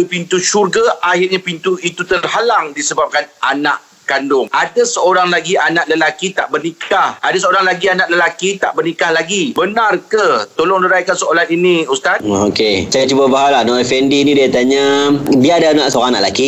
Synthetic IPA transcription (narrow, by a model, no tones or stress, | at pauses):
pint̪uʃurɡaʔaɦɪrɲapint̪uit̪ut̪ərɦalaŋdisəbap̚kanana̰ʔ | kandʊŋʔadasəoɾaŋlaɡianaʔləlakit̪a̰ʔbərnikʰahʔadasəoɾaŋlaɡianãʔləlakit̪a̰ʔbərnikahlaɡibənarkət̪olɔŋdəɾajkansəolaniniust̪at̪okesajat͡ʃubabaɦalahnɔfɛndinĩdiat̪aɲabiadaanãʔsəoɣaŋna̰ʔlaki